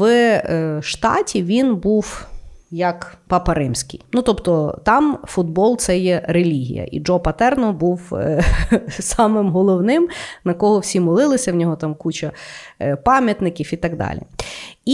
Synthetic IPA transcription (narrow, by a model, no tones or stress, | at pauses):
ʃt̪ɑ̰tʲiʋʲinbuwjɐkpɐpɐɾɪmsʲkɪjnut̪ɔpt̪ɔt̪ɑmfʊd̪̚bɔlˠt̪sɛjɛɾelʲiɦʲḭjɐ̰ʔḭd͡ʒɔpɐt̪ɛrnɔbuw | sɑmɪmɦɔlˠɔwnɪmnɐkɔɦɔwsʲimɔlˠɪlˠɪsʲɐwnʲɔɦɔt̪ɑmkut͡ʃɐ | pɑmʲjɐt̪nɪkʲiwit̪ɑɡd̪ɑ̰lʲḭi